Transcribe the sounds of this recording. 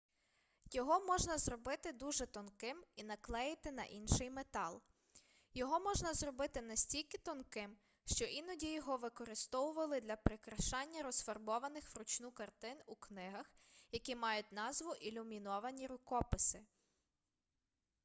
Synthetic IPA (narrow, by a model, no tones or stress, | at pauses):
jɔɦɔmɔʒnɐzrɔbɪt̪ɪd̪uʒɛt̪ɔnkɪminɐklˠɛjɪt̪ɪnɐ̰ʔinʃɪjmet̪ɑlˠ | jɔɦɔmɔʒnɐzrɔbɪt̪ɪnɐsʲtʲilʲkɪt̪ɔnkɪm | ʃt͡ʃɔʔinɔdʲijɔɦɔʋɪkɔɾɪst̪ɔwʊʋɐlˠɪd̪lʲɐpɾɪkɾɐʃɑnʲːɐɾɔsfɐrbɔʋɐnɪxʋɾʊt͡ʃnukɐrt̪ɪnuknɪɦɐxjɐkʲimɑjʊt̚ʲnɑzʋʊʔilʲʊmʲinɔʋɐnʲiɾʊkɔpɪsɪ